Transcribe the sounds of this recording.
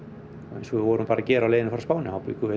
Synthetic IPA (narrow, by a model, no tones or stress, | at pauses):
ɔ̰ejnsɔɪvɔɾʏhnmpaːɾacɛːɾawlejðɪnɪfɔɾaspaːwnɪhawpɪikʰʏvɛ